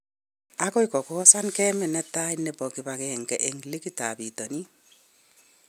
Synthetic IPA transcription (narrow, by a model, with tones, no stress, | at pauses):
akɔ˦ikɔ˨kɔsa˦nkɛmɛ˨nɛ˦ta˦inɛ˨bɔ˨kiba˨kɛŋkɛ˨ʔe˨ŋli˦kitabitɔ˨ni˦